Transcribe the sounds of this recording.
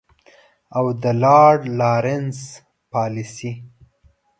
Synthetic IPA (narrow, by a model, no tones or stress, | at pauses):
awd̪əlɑɽlɑɾɪns | pɑlisi